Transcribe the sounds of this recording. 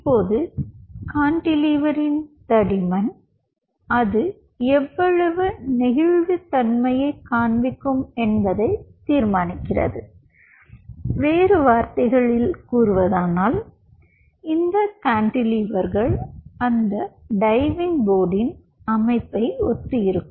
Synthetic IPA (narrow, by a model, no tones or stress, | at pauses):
pːoːðɯkaːɳɖɪliːʋɐɾɪnt̪ɐɽɪmɐn | ɐðɯ | ɛʋːɐɻɐʋɯnɪɣɪɻʋɯt̪ɐnmɐjɐɪkaːɳbɪkːɯmɛnbɐðɐɪt̪ːiːɾmaːnɪkːɪrɐ̰ðɯ | ʋeːɾɯʋaːɾt̪ɐɪɣɐɭɪlkuːrɯʋɐðaːnaːl | ɪnd̪ɐkaːɳɖɪliːʋɐɾɣɐɭɐnd̪ɐɖɐɪʋɪŋboːɽɪn | ɐmɐɪpːɐɪɔt̪ːɯjɪɾɯkːɯm